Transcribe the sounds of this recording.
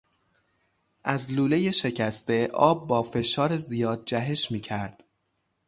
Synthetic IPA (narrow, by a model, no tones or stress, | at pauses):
ʔæzluːle̞je̞ʃe̞cʰæst̪e̞ʔɒːb̚ːɒːfe̞ʃɒːɾezijɒːd̪̚d͡ʒæɦe̞ʃmiːcʰæɾd̪̥